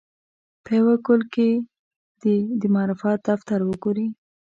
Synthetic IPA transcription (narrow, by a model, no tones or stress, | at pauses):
pewakolke | d̪d̪əmɑɾufɑt̪̚d̪aft̪aɾwəɡoɾi